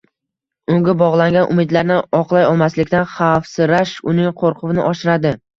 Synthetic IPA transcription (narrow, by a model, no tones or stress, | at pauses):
ʊŋɡʲabɒʁlˠaŋɡʲanʔʊ̰mɪd̪laɾnɪɒqlˠajɒlˠmaslɪkʲt̪anχɑfsɪɾaʃʊnɪŋqʰoɾqʰʊvɪnɪʔɒʃɪɾad̪ɪ